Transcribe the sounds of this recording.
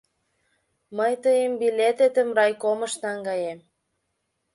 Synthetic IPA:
məjt̪əjəmbilʲet̪et̪ə̆mrɑjkomə̆ʃt̪ɑŋɡɑjem

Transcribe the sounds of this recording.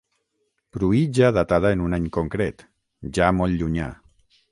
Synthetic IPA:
pɾuid͡ʒaðat̪að̞aenunaɲkoŋkɾet̪ | ʒamɔlʎuɲa̰

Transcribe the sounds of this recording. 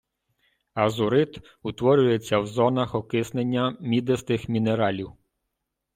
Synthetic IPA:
ɐzʊɾɪt̪ | ʊt̪ʋɔɾʲʊjet͡sʲːɐwzɔnɐxɔkɪsnenʲːɐmʲid̪est̪ɪxmʲineɾɑlʲiw

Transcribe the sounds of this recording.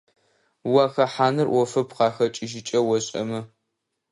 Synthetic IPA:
wɐxɐħaːnɨrwʔɔfɐpqɑːxɐt͡ʃʼɪʒɪt͡ʃʼɐwɔɕʼɐ̰mɨ

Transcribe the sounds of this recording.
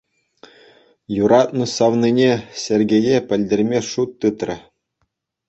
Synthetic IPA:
juɾɑt̪nɤ̆sɑʋninʲesʲerʲɡʲejepʲɘ̆lʲdʲerʲmʲeʂut̪ːɯt̪rʲɘ̆

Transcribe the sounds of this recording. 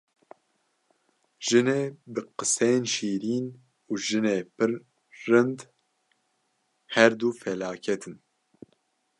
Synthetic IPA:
ʒ̥ɨneːbɨqɨsɛjnʃiːɾiːn | uːʒɨneːpɨɾː | ɨnd̪ | hɛɾd̪uːfɛlaːkʰɛt̪ʰɨn

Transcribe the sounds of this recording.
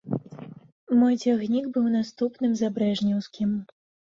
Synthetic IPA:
mɔjd͡zʲaɣnʲiɡbɨwnast̪upnɨmzabɾɛʐnʲɛwskʲim

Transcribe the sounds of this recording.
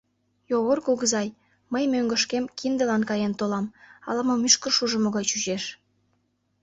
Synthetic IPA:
joβorkoɣəzɑj | məjmøŋɡə̆ʃkemkʰind̪ə̆lɑnkɑjent̪olɑmɑ̰lɑmomyʃkə̆rʃuʒə̆moɣɑjt͡ɕyʒeʃ

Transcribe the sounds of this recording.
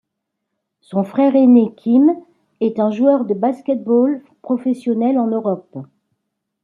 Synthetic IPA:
sɔ̃fχɛʁenekʲʰim | ɛt̪ɛ̃ʒuœʁd̪əbaskʲɛt̪̚bol | pχɔfɛsjɔnɛlɑ̃nøʁɔp

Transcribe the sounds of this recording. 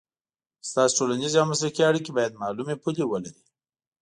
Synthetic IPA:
st̪ɑsiʈolanizeawmasɾakiaɽik̬ibɑjad̪̚mɑlumepulewəlaɾi

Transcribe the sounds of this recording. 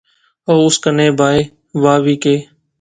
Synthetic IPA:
oːʊskəneːbʱaːiː | ʋaːʋiːkeː

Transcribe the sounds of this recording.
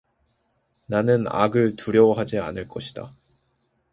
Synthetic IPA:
nanɯna̰ɡɯɭtuɾjʌwɦad͡ʑia̰nɯɭk͈ʌɕʰid̥a̰

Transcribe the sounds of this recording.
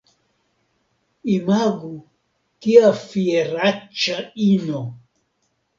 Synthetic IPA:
imaɡu | kiafieɾat͡ʃaino

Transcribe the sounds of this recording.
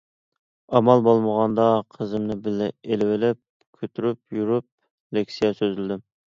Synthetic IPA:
ɑmɑlˠbolˠməʁɑnd̪ɑqʰəzɨmnɪbɪlɪelɪwɪlɪp̚ | kʲʰøt̪ʰyɾyp̚juɾyp̚ | lekʲsijɑsøzylɪd̪ɪ

